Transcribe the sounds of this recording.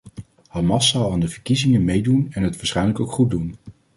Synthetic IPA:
hɑmɑsːɑlˠaːndəvəɹkizɪŋənmejdunɛnɦətʋaːɹsχɛjnləkowkχut̚dun

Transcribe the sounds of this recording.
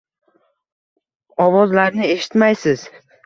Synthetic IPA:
ɒvɒzlaɾnɪe̞ʃɪ̥t̪majsɪz̥

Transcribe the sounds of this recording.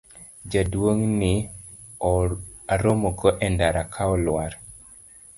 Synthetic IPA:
d͡ʒadwoŋnɪ | aɾomoɡɔʔɛndaɾakʰaɔlwaɾ

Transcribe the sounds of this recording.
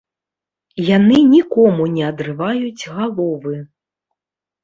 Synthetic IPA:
janɨnʲikɔmunʲɛɐd̪ɾɨvajud͡zʲɣalˠɔvɨ

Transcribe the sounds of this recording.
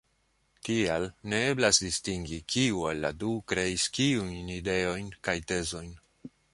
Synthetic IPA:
tialne̞e̞blasdistiŋɡikʰiuelːa̰dukɾe̞iskiujnide̞o̞jnkajte̞zo̞jn

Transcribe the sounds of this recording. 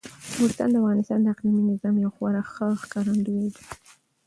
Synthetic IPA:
ust̪ɑ̰nd̪əafɣɑnɪst̪ɑnd̪əaqliminɪzɑmjawxwɑɾaxəxkɑɾand̪ued̪i

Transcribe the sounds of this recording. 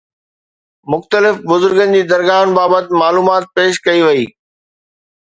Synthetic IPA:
mʊxt̪əlɪfbʊzʊɾɡənɪ̆d͡ʑiːd̪ɐɾɣaːɦənɪ̆baːbət̪maːluːmaːt̪̚peːʃkɐiʋɐiː

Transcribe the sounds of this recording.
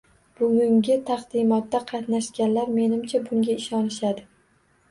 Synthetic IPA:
b̥ʊɡʲʊŋɡʲɪt̪ʰɑχd̪ɪmɒt̪ːaqʰɑt̪naʃkʲanlaɾme̞nɪmt͡ʃʰabʊŋɡʲaɪʃɒnɪʃad̪ɪ

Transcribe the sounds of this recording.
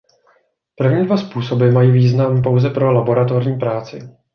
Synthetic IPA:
pr̩vɲiːdvaspuːso̞bɪmajiːviːznampo̞wzɛpɾo̞labo̞ɾat̪o̞ɾɲiːpɾaːt͡sɪ̰

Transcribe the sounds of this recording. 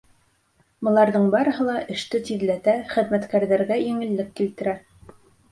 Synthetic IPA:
bŏlˠɑɾðɤɴbɑɾɤ̆hɤ̆lˠɑʔɘ̆ʃt̪ɘt̪iðlæt̪æχɘ̆ðmæt̪kæɾðæɾɡæjɘ̆ŋɘ̆lːɘkːilt̪ɘ̆ɾæ

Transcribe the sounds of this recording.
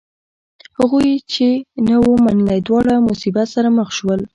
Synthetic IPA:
haɣujt͡ʃenəwomanəlajd̪wɑɽamʊsibat̪saɾaməxʃwəl

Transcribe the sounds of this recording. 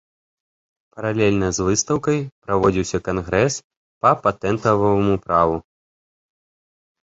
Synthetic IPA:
pɐɾalʲɛlʲnɐzvɨst̪ɐwkɐjpɾavɔd͡zʲiwsʲɐkanɣɾɛs | pɐpat̪ɛnt̪ɐvɐvɐmupɾavu

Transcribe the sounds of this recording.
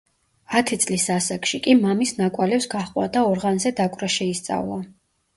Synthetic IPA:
at̪ʰit̪sʼlisasakʼʃikʼimamisnakʼwalɛpsɡaχqʼwa̰d̪aɔɾʁanzɛd̪akʼɾaʃɛist̪sʼa̰vlˠa

